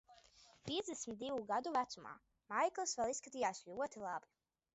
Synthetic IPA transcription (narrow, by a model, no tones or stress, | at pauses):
pʲiɛzd̪ɛsmʲit̪̚d̪ivuɡad̪uvæt̪suma̰ː | majklˠɨsvɛlˠisːkat̪ijaːsʲlʲuɔt̪ilˠabi